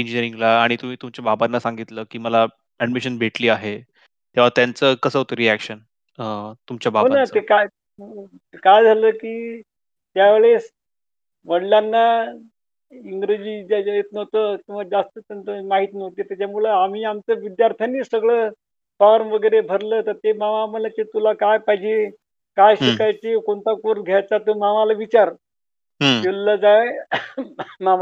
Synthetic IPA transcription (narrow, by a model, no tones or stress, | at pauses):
iɲd͡ʑiniəɾiŋɡlaːɽ̃it̪um̤iːt̪umt͡ɕjababanːasaŋɡit̪ləːkiːməla | æɖmiɕənbʱeʈliːaɦe | t̪eʋ̤at̪jant͡səːkəsəɦot̪oɾiækɕən | ət̪umt͡ɕjabaanatəeka | kajd͡zʱaləːkiː | t̪jaʋeɭes | ʋəɽljanːa | iŋɡɾed͡ʑiet̪̚nəʋt̪ət̪uməd͡zast̪ət̪ənt̪əmaɦit̪inəʋt̪et̪jat͡ɕamuɭeamiːamt͡səːʋid̪jaɾt̪ʰjaniːsəɡɭə | faɾʋəɡəjɾebʱəɾləːt̪əɾt̪emaʋaməlat͡ɕet̪ulakajpaɦid͡ʑe | kajɕikajt͡ɕekoɳt̪akoɾɡʱjajt͡sat̪əmaʋalaʋit͡ɕaɾ | elːəd͡zaj | maa